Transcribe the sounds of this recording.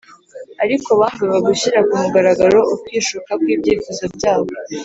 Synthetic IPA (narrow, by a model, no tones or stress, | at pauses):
aɾikoβaːnviβaɡuɕiɾakumuɡaɾaɡaɾo̞ʔukwiːʃukak̚wiːbɟeːfozobɟaːβo̞